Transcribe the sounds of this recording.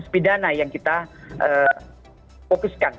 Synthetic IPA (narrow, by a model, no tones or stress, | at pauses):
spidanajaŋkit̪aʔəː | fokuskan